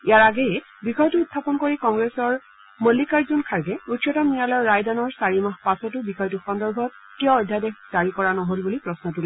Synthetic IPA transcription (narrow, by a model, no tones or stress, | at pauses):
iaɹaɡɛjɛ | bixɔjtuːtʰːapɔnkoɹikɔŋɡɹesɔɹ | molːikaɹzunkʰaɹɡɛutjɔtɔmnijalɔjɔːajdanɔɹsaɹimaɦpasɔtʊbixɔjtuxɔndɔɹbʱɔt̚ | tiɔːdʱːadexzaɹikɔɹanɔɦolbulipɹɔsnɔtulɛ